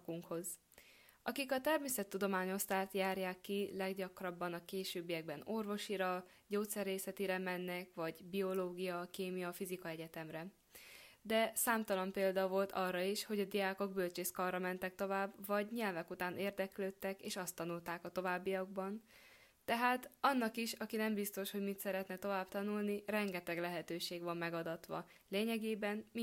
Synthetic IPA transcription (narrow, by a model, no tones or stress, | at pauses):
kuŋkho̞z | ʔɒkikɒt̪ɛrmeːsɛt̪ːud̪o̞maːɲo̞st̪aːt̪jaːrjaːkːilɛɡɟɒkrɒbːɒnɒkeːʃøːbːijɛɡ̚bɛno̞rvo̞ʃiɾɒ | ɟoːt̪sɛreːsɛt̪iɾɛmɛnːɛkʋɒɟbio̞loːɡijɒkeːmijɒfizikɒɛɟɛt̪ɛmrɛ | d̪ɛsaːmt̪ɒlɒmpeːld̪ɒvo̞lt̪ʰɒrːɒiʃho̞ɟɒd̪iaːko̞ɡbølt͡ʃeskɒrːɒmɛnt̪ɛk̚t̪o̞vaːbvɒɟɲɛlvɛkut̪aːnʔeːrd̪ɛkløːt̪ːɛkeːʃɒst̪ːɒnult̪aːkɒt̪o̞vaːbːijɒɡ̚bɒn | t̪ɛɦaːt̪ɒnːɒkiʃɒkinɛmbist̪o̞ʃho̞ɟmit̪sɛɾɛt̪nɛt̪o̞vaːbt̪ɒnulnirɛŋɡɛt̪ɛɡlɛɦɛt̪øːʃeːɡʋɒmːɛɡɒd̪ɒt̪ʋɒ̰ | leːɲɛɡeːbɛnmi